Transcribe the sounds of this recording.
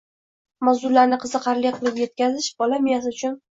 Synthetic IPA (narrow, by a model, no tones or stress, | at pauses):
mazd̪ʊɾlaɾnɪqʰɨzɨqʰɑɾlɪjqʰɨlˠɪpje̞t̪̚kʲazɪʃbɒlamɪjasɪʊt͡ʃʰʊn